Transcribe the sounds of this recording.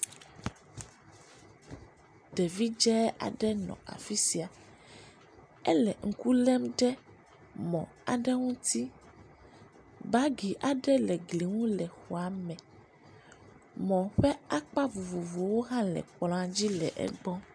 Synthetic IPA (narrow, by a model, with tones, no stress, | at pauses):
ɖɛ˨vi˦d͡ʒɛ˦a̰˨ɖɛ˦nɔ̰̃˨a̰˨fi˦si˨a˨ | ɛ˦lɛ˨ŋ̩˨ku˦lɛ˦mɖɛ˦ | mɔ̰̃˨ | a̰˨ɖɛ˦ŋũ˦t̪i˦ | ba˦ɡi˨ʔa˨ɖɛ˦lɛ˨ɡli˨ŋũ˦lɛ˨xo˨a˨mɛ̃˨ | mɔ̃˨ɸɛ˦a˦k͡pa˦vu˨vo˨vo˨˦wo˦ɦã˦lɛ̰˨k͡plɔ̃˨˦a˨d͡ʑi˦lɛ̰˨ʔɛ̰˦ɡ͡bɔ̃˦